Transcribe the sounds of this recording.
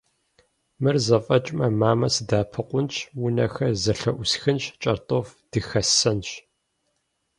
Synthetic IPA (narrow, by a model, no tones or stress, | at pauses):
mɨrzɐfʼɐt͡ʃʼmɐmaːmɐsɨdaːpʰɨqʷʊnt͡ʃʰwʊnɐxɐrzɐɬɐʔʷʊsxɨnɕt͡ʃʼɐrtʼofd̥ɨxɐsɐnɕ